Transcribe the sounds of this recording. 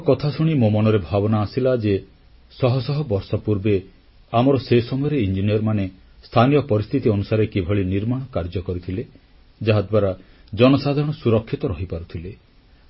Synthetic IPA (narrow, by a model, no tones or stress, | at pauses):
kɔt̪ʰasuɽ̃imomɔnɔɾebʱabɔnaːsilad͡ʒe | sɔɦɔsɔɦɔbɔɾsɔpuɾbe | amɔɾɔsesɔmɔjɔɾeind͡ʒinijɔɾmane | st̪ʰanijɔpɔɾist̪ʰit̪iɔnusaɾekibʱɔɭiniɾmaɽ̃ɔkaɾd͡ʒɔkɔɾit̪ʰile | d͡ʒaɦad̪bwaɾad͡ʒɔnɔsad̪ʱaɾɔɽ̃ɔsuɾɔkʰːit̪ɔɾɔɦipaɾut̪ʰile